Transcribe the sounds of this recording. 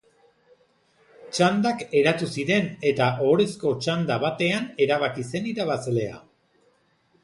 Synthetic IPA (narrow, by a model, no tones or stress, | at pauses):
t͡ʃand̪ake̞ɾat̪usiɾe̞ne̞t̪aʔo̞ɾe̞sko̞t͡ʃand̪aβat̪e̞ane̞ɾaβakise̞niɾaβasle̞a̰